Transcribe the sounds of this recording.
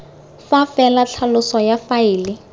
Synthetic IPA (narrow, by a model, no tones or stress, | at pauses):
fafɛlat͡ɬʰalʊsɔjafaɪːlɪ